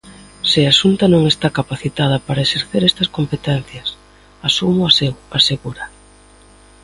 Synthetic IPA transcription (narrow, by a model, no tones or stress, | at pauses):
sɪasunt̪ɐnõŋest̪akapaθit̪að̞ɐpaɾɐeseɾθeɾɛst̪ɐskompet̪ɛn̟θjɐs | asumʊasewaseɣuɾɐ